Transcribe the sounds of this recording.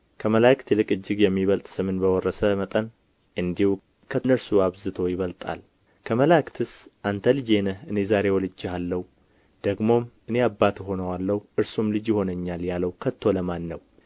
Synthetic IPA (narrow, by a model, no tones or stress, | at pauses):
kʰəməlakt̪lɨkʼɨd͡ʒːɪɡjɛmːiβəlt̪ʼsɨmɨnbəwɔrːəsəmət̪ʼən | ʔɨnd̪ihu | kʰənəɾsuaβzɨt̪ʰo̞jɪβəlt̪ʼa̰l | kʰəməlakt̪ʰɨsʔant̪ʰəlɨd͡ʒe̞nəɨne̞zaɾe̞wɔlɨd͡ʒːalːəhwu | d̪̥əɡmo̞mʔɨne̞abːat̪ɦo̞nəwalːəhuʔɨɾsumlɨd͡ʒjɪho̞nəɲːaljaləwkʰət̪ʰːo̞ləmanːəw